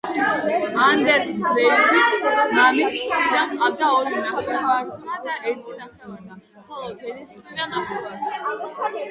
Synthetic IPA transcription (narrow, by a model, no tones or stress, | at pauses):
and̪ɛɾt̪ʰɡɾɛɾinamisskʰʼnid̪anqʼavd̪aɔɾinaχɛvaɾt̪ʰnad̪aʔɛɾt̪ʰinaχɛvaɾd̪a | χɔlˠɔk̪ʰɛniskʰʼnid̪anaχɛvaɾt̪ʰa